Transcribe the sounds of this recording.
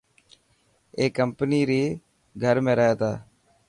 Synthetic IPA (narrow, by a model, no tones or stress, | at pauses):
eːkəmpəniːɾiː | ɡʱəɾmẽːɾəeːt̪aː